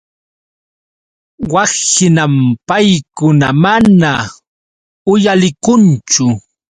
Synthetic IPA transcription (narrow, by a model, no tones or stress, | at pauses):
wɑsɪnampajkʊnamana | ʊjalɪkʊnt͡ʃʊ